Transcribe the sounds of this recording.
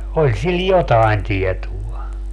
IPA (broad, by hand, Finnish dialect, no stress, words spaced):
olʲ sil jotɑen tietuɑ